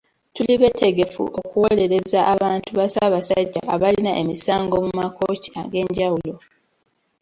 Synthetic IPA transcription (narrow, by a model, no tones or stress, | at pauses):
tuliβe̞tʰe̞ɡe̞fṵʔo̞kuwo̞le̞ɾe̞zaʔaβaːntuβasaβasaɟːa̰ʔaβalinaʔemisaːŋɡo̞mumako̞ːci̥a̰ɡe̞ːɲɟawulo̞